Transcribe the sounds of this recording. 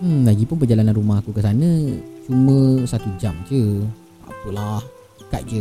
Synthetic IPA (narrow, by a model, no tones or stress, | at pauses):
laɡipʊnpərd͡ʒalananɾumahakukəs̬anə̃t͡ʃumə̃sat̪ud͡ʒamd͡ʒə | a̰pəlah | əkat̪̚d͡ʒə